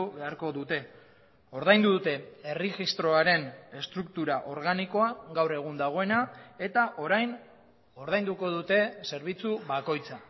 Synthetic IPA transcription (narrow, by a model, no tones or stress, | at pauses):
uβe̞aɾko̞ðut̪e̞ | o̞ɾð̞ajnd̪uðut̪e̞eriʝist̪ɾo̞aɾe̞ne̞st̪ɾuk̚t̪uɾaʔo̞ɾɣaniko̞aɣawre̞ɣ̞und̪aɣ̞o̞e̞nae̞t̪aʔo̞ɾajn | o̞ɾðajnd̪uko̞ðut̪e̞se̞ɾβ̞it͡suβako̞jt͡sa